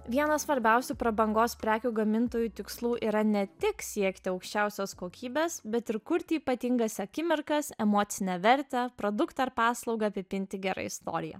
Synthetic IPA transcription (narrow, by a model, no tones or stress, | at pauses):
ʋʲiɛnɐsʋɐɾʲbʲɛʊsʲupɾɐbɐŋɡoːspʲɾʲæːkʲuːɡɐmʲɪnt̪oːjuːt̪ʲɪkslˠuːʔiːɾɐnʲɛt̪ʲɪksʲiɛkt̪ʲɪɒʊkʃʲt͡ʃʲɛˑʊsʲoskoːkʲiːbʲeːsbʲɛt̪ɪɾkʊɾʲt̪ʲɪiːpɐt̪ʲɪŋɡɐsɐkʲɪmʲɪɾkɐsɛmoːt̪sʲɪnʲɛʋʲɛɾʲt̪ʲɛpɾoːd̪ʊkt̪ɐɪɾpɑːslˠɒʊɡɐːpʲɪpʲɪnʲt̪ʲɪɡʲæɾɐ̰ɪst̪o̰ːɾʲɪjɛ̰